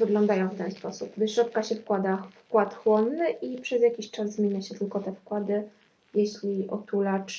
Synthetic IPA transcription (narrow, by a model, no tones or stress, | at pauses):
vɘɡlɔ̃nd̪ajɔ̃w̃ft̪ɛnspɔsupvɘʂɾɔt̪̚kaɕɛfkwad̪afkwat̪xwɔnːɘʔipʂɛzʲjakʲiɕt͡ʂazːmʲeɲaɕɛt̪ɘlkɔt̪ɛfkwad̪ɘ | jeɕlʲiʔɔt̪ulat͡ʂ